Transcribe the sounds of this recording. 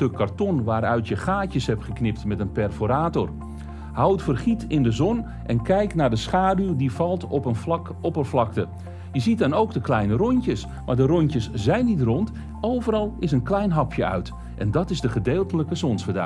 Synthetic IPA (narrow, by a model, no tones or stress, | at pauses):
økʰːartɔnʋaːɾœɥtjəχaːcəshɛpχəknɪp̚tmɛtənpɛrfoɾaːtor | hawtfərχitɪndəzɔn | ʔɛnkɛjknaːɹdəsχaːdywdivɑlˠtɔpənflɑk | ɔpəflɑktə | jəzit̚dɔnowkdəklɛjnərɔɲcəs | maːɹdərɔɲtəszɛjnːitrɔnt | owvəɾɑlˠɪs̬ənklɛjnɦɑpʰjəœ̰ɥt | ʔɛndɑtɪzdəχədeːlˠtələkəsɔnsfədœ̰